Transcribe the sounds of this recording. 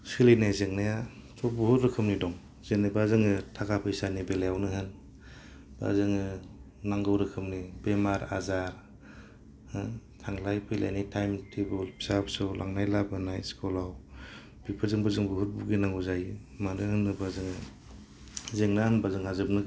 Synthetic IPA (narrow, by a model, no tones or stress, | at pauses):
sɯlejnajzeŋnajatʰɔbuhutɾɯkʰɯmnidɔŋ | zenibazɯŋɯtʰakapʰɯjsanibelajawnɯɦɯn | b̥a̰zɯŋɯ | naŋɡɯwɾɯkʰɯmnibemaɾa̰zaɾ | htʰaŋlajpʰila̰jnitʰajmtʰebɯlpʰi̥sapsɯwlʔa̰ŋnajlabɯnajskɔlaw | b̥ipʰazɯŋbɯzɯŋbuɦut̚buɡinaŋuzajɯ | manɯhɯnːɯbazɯŋɯ | zeŋnahɯnbazɯŋhazɯp̚nɯɡ